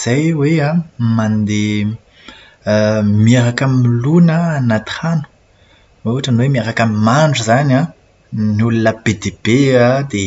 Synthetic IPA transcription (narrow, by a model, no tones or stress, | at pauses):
z̥ajweamand̪e | mieɾakamimilunaːnat̪χanu̥ | auaʈ͡ʂənwemiaɾakamimaɳɖ͡ʐuzanã | nulunəb̥ed̪eb̥ead̪e